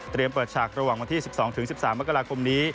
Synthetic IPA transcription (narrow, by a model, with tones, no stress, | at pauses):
t̪ɾi˧əmpɤː˨˩t̪̚t͡ɕʰaː˨˩k̚ɾa˧waː˨˩ŋwa˧nt̪ʰiː˥˩si˨˩p̚sɔː˩˦ŋt̪ʰɯ˩˦ŋsi˨˩p̚saː˩˦mːa˦˥kːa˧ɾaː˧kʰo˧mniː˦˥